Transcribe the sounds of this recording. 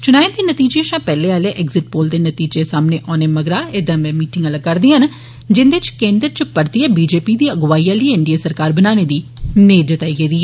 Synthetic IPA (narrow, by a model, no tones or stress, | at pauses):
t͡ʃʊnaːend̪iːnət̪iːd͡ʒeːʃãːpɛːleːaːleːʔɛːɡzɪʈ̚poːld̪eːnət̪iːd͡ʒeːsaːmneːʔɔːneːməɡɾaːed̪ãːmɛ̃ːmiːʈɪŋɡələɡkəɾd̪iːɦən | d͡ʒɪnd̪et͡ʃkẽːnd̪ɾt͡ʃəpəɾt̪iɛːbiːd͡ʒeːpiːd̪iːəɡʋaːiːãːləiːɪɳɖijaːsəɾkaːɾbənaːneːd̪iːneːd͡ʒət̪aːiɡeːd̪iːɛː